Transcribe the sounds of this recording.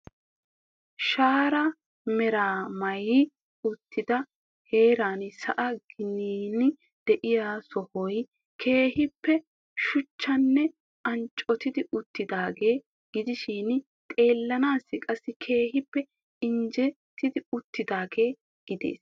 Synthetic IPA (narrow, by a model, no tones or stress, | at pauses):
ʃaːɾɐ | mɛɾaːmɐjɪ | ʊt̪ːɪd̪ɐ | he̞ːɾaːnsɐʔɐɡɪniːnɪ | d̪̥ɛʔɪjaːsɔhɔj | kʰe̞ːhɪpːɛ | ʃʊt͡ʃːɐnːɛ | ɐnt͡ʃʼɔt̪ɪd̪ɪʊt̪ːɪd̪aːɡe̞ː | ɡ̥ɪd̪ɪʃiːn | t̪ʼe̞ːlːɐnaːsːɪkʼɐsːɪkʰe̞ːhɪpːɛ | ɪnd͡ʒɛ | t̪ːɪd̪ɪʊt̪ːɪd̪aːɡe̞ː | ɡ̥ɪd̪ḛːs